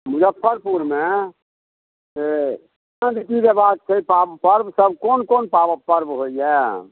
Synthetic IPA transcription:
mʊd͡ʒəpʰːəɾpuɾme | se | nãd̪ekid͡ʒebat̪̚kʰəipabpəɾbsəbkonkonpabəpːəɾbɦoijɛ

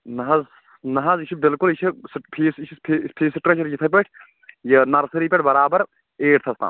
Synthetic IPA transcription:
nɐɦɐz | nɐɦɐzit͡ʃʰibɪlkulit͡ʃʰispʰiːst͡ʃʰipʰipʰiːsiʈɾet͡ʃʰɐɾd͡ʒit̪ʰɐp̬eʈʰ | jɐnɐɾsɐɾiːpeʈʰbɐɾaːbɐɾ | eːʈ̚t̪ʰɐst̪a̰ː

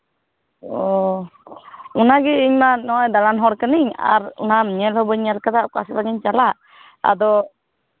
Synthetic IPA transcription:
ɔ | unaɡɛiɲmanɔjd̪alanɦɔɾkəniɲa̰ɾṵnamɲɛlhɔbəɲɲɛlkad̪aʔkaslaɡɛɲt͡ʃalaʔ | a̰d̪ɔ

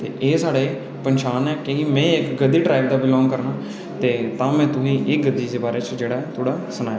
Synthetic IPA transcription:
t̪ḛːʔeːsaːɽeː | pənʃaːnɛːkeimɛ̃ːɪkɡəd̪ːiːɖɾaːiʋd̪aːbɪlɔ̃ːŋɡkəɾnaː | t̪eːt̪ãːmɛ̃ːt̪ʊɦĩːʔɪːɡəd̪ːiːd̪eːbaːɾeːt͡ʃd͡ʒeːɽaːt̪ʰoːɽaːsənaːja

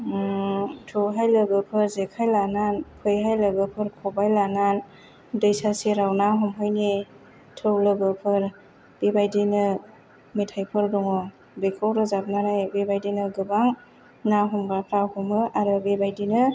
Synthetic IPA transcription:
tʰɯwɦajlɯɡɯpʰɯɾzekʰajlananpʰɯjɦajlɯɡɯpʰɯɾkʰɔbajlanan | dɯjsasiɾawnaɦɔmɦɯjni | tʰɯwlɯɡɯpʰɯɾ | b̥ibajdinɯ | mitʰajpʰɯɾdɔŋɔ | bekʰawɾɯzap̚nanajbebajdinɯɡɯbaŋ | naɦɔmɡɾapʰɾahumɯʔaɾɯbebajdinɯ

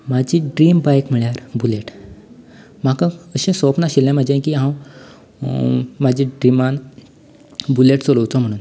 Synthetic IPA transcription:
mad͡ʑiːɖɾiːmbajkm̤iɭjaɾbuleʈ | m̤akãəɕẽsɔpnaɕiljãmad͡ʑiãkiːɦãw | mad͡ʑʱĩɖɾiman | buleʈt͡soləwt͡sɔm̤əɽ̃uːn

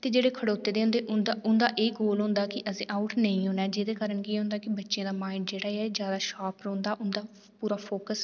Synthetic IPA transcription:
t̪eːd͡ʒeːɽeːkʰəɽoːt̪ːeːd̪eːɦʊ̃nd̪eːʔʊnd̪aːʔʊnd̪aːʔeːɡoːlɦʊ̃nd̪aːkɪʔəsĩːʔaʊʈnəĩːɦʊ̃ːɳɛːd͡ʒɪd̪eːkaːɾəɳkiːɦʊ̃nd̪aːkɪbətːʃjẽːd̪aːmaːɪɳɖd͡ʒeːɽaːeɛːd͡ʒjaːd̪aːʃaːpɾõːnd̪aːʔʊnd̪aː | puːɾaːpʰoːkəs

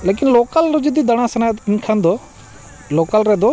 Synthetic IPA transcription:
leːkɪnloːkəlɾod͡ʒɪd̪iːd̪əɽ̃aːsɐnankʰãːnd̪oː | loːkəlɾɛːd̪oː

